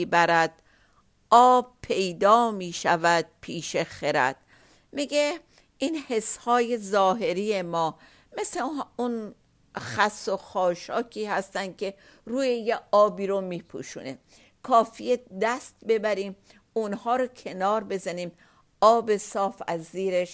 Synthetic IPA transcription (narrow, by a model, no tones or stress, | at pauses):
ibæɾæd̪̥̚ | ɒːb̚pʰe̞jd̪ɒːmiːʃævæd̪̥̚pʰiːʃexeɾæ̰d̪̥̚ | miɡe | iːnhe̞shɒːje̞zɒːɦe̞ɾijemɒː | me̞sleun | xæsːoxɒːʃɒːkʰiːhæst̪ænd̪̚kʰe̞ | ruːjejeɒːbiːɾomiːpʰṵʃune̞ | kʰɒːfijed̪æst̪̚be̞bæɾiːm | unhɒːɾokʰe̞nɒːɾbe̞zæniːm | ɒːbe̞sɒːfæzːiːɾeʃ